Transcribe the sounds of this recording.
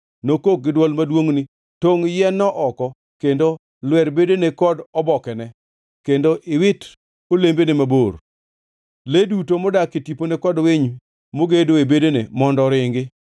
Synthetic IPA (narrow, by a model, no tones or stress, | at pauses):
nokok̚ɡɪdwɔlmadwoŋni | toŋjɛnːɔʔɔkɔ | kendo | lwɛɾbedonekɔdɔbɔkɛnɛ | kendoʔɪwɪt | olembenemabor | ledutomɔdakitiponekɔdweɲ | moɡedoebedonḛmɔndɔɾɪŋɡɪ